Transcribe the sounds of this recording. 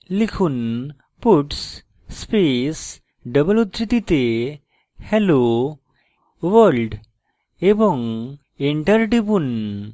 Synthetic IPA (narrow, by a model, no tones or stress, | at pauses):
likʰun | puʈs | spes | ɖəbəlut̪ɾit̪it̪e | hɛlo | ʋəlɖ | ebɔŋ | eɳʈəɾɖibun